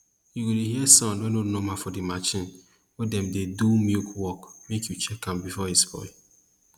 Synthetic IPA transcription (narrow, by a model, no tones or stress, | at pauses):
jiwiliɦiɛsãdõnonɔmafɔdimat͡ʃĩn | wɛdɛmdedumikwɔkmekjut͡ʃɛkãmbifɔhispɔ̰ɪ